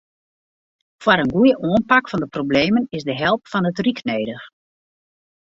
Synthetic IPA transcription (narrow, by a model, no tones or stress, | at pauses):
fwaɾənɡujəʔoənpakfɔndəprobleːmənɪzdəɦɛlˠpfɔnətrikneːdəx